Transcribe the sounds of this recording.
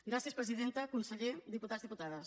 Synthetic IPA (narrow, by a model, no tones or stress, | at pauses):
ɡɾaθjespɾesiðent̪akunseʎeɾd̪iput̪aðzðiput̪aðɐs